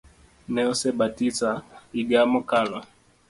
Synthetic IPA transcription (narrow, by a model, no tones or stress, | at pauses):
nɛɔsɛbatisaiɡamɔkala